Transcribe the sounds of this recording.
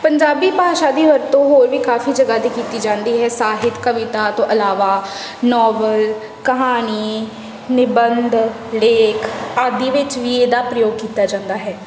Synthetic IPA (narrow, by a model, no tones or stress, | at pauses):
pəɲd͡ʒaːbiːpaːʃaːd̪iːʋəɾt̪õːɦoːɾʋiːkaːfiːd͡ʒəɡaːd̪iːkiːt̪iːd͡ʒãːnd̪iːɦɛːsaːɦɪt̪kəʋɪt̪aːt̪õːʔəlaːʋaː | nɔːbəl | kəɦaːniː | nɪbənd̪ | leːkʰaːd̪iːʋɪt͡ʃʋiːeːd̪aːpɾəjoːɡ̚kiːt̪aːd͡ʒãːnd̪aːɦɛː